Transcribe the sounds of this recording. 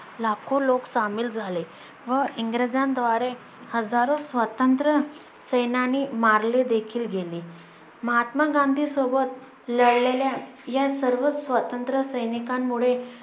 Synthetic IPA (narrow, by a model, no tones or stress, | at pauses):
lakʰoloksamiːld͡zʱale | ʋəiŋɡɾəd͡zand̪ʋaɾe | həd͡zaɾosʋət̪ənt̪ɾə | səjnaniːmaɾled̪ekʰiːlɡʱeliː | məɦat̪maɡãnd̪ʱiːsobət̪ | ləɽleljajasəɾʋəsʋət̪ənt̪ɾəsəjnikamːuɭe